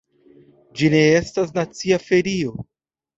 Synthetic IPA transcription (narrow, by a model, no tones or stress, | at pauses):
d͡ʒine̞e̞stas̬nat͡siafe̞ɾio̞